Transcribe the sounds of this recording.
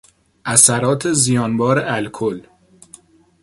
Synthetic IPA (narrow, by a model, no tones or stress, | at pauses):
ʔæsæɾɒːt̪ʰezijɒːnbɒːɾeʔælkʰol